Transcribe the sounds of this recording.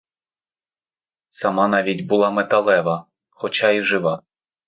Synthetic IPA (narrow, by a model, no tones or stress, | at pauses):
sɐmɑnɑʋʲidʲbʊlˠɑmɛt̪ɐlˠɛʋɐ | xɔt͡ʃaiʒɪʋɑ